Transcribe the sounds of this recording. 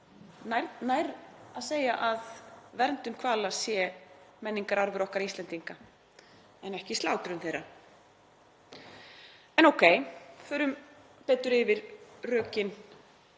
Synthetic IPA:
najɾt̪najɾaðseːjaʔaðvɛɾnt̪ʏnkʰvaːlasjɛmɛnːiŋkaɾaɾvʏɾɔhkaɾist̪ɛnt̪iŋka | ɛnɛhcɪst̪laːwt̪ɾʏmθejɾːa | ɛnowkʰeːjfʏːɾʏm | pɛːt̪ʏɾɪvɪɾrœːcɪn

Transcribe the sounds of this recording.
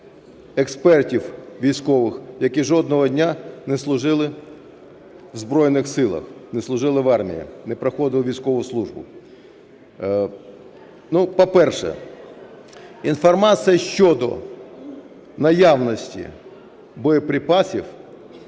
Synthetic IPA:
ɛkspɛrtʲiwʋʲijsʲkɔʋɪxjɐkiʒɔd̪̚nɔɦɔdʲnʲanɛslˠʊʒɪlˠɪ | ʋzbɾɔjnɪxsɪlˠɐ̰xnɛslˠʊʒɪlˠɪʋɑrmʲḭjḭnɛpɾɐxɔd̪ɪʋʋʲijsʲkɔʋʊslˠuʒbʊ̰ | nupɔpɛrʃɛ̰ | infɔrmɑsɨjɐʃt͡ʃɔd̪ɔ̰ | nɐjawnɔsʲtʲḭ | bɔjɔpɾʲɪpɑsʲiw

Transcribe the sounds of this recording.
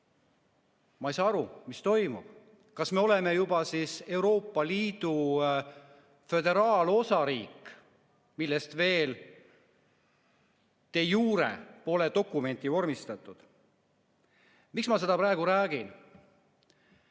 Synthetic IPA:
mɑejsɑːɑɾumist̪o̞jmub̥ | kɑsme̞o̞le̞me̞jubɑsise̞wɾo̞ːpːˑɑliːd̪̥u | fø̞d̪e̞ɾɑːlo̞sɑɾiːkː | milːest̪ve̞ːl | t̪e̞juːɾḛpo̞led̪o̞kːˑume̞nt̪io̞rmist̪ɑt̪ːˑud̪̥ | miksmɑse̞d̪ɑpɾæe̞ɡ̥uɾæːɡ̥in

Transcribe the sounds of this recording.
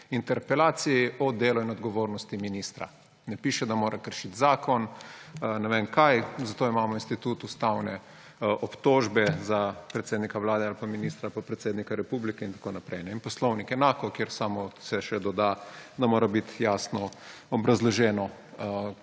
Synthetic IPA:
int̪ɛɾpɛlaːt̪sijiɔd̪eːlɔinɔd̪ɡɔʋoːɾnɔst̪iminist̪ɾa̰ | nɛpiːʃɛd̪amoːɾʔakəɾʃit̪zaːkɔn | nɛʋenkajzat̪oːimaːmɔinst̪it̪ut̪ust̪awnɛ | ʔɔpt̪oːʒbɛzapɾɛt̪seːd̪nikaʋlaːd̪ɛalpaminiːst̪ɾalpapɾɛt̪seːd̪nikaɾɛpublikɛint̪ḁkoːnapɾɛjnɛinpɔslɔwnikɛnaːkɔkjeɾsaːmɔsɛʃɛd̪ɔd̪ad̪amoːɾabit̪jaːsnɔɔbɾazlɔʒɛːnɔ

